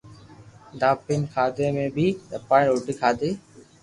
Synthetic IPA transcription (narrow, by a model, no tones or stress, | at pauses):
d̪aːpɪnkʰaːd̪eːmẽːbʱiːt̪əpaːɪ̃oːʈiːkʰaːd̪eː